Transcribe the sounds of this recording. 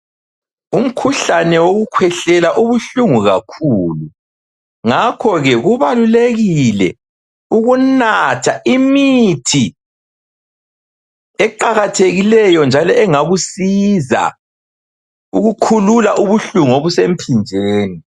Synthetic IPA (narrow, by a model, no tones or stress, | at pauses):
um̩kʰuɬanɛwoɣukʰwɛɬɛlaʔuβuɬuŋuɣakʰuːlu | ŋakʰɔɣɛɣuβaluleɣilɛ̰ | uɣunatʰaʔimitʰi | ɛǃaɣatʰeɣilɛjɔnd͡ʒʱalɔɛŋaɣusiza̰ | uɣukʰululaʔuβuɬuŋuoβusem̩pʰind͡ʒʱeːni